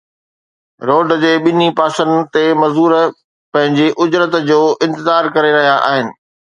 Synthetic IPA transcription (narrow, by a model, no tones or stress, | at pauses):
ɾoːɖd͡ʑeːɓɪnipaːsənt̪emɐzuːɾ | pɐ̃ɦɪ̃ɲd͡ʑeʔʊd͡ʑɾət̪d͡ʑoːʔɪ̃nt̪ɪzaːɾkɐɾeɾɐɦijaʔa̰ːɦɪnɪ̆